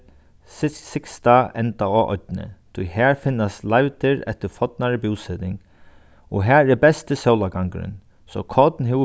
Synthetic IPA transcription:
sɪsɪkst̪aɛnt̪aɔːʔɔ̰t̪nə̰t̪ʰʊjhæːɹfɪnːast̪lajʋt̪ɪɹɛ̰t̪əɾfɔt̪naɹəbuːsɛt̪ɪŋ | ɔɦæːɹɛbɛst̪əsœwlaɡaŋkɾɪ̰n | sɔkʰɔt̪nɦɪ

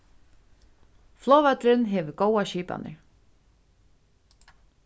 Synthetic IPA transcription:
flɔːvɛt̪ɾɪnɦɛːʋʏɾɡoːwaʃiːpa̰nɪ̰ɾ

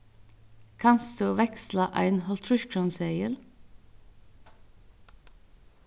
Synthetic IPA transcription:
kʰɑnsd̪ʉːʋɛkslɑʔæ̰ɪnhɔlt̪ʰɾʉʃkʰɾɔnseɪəl

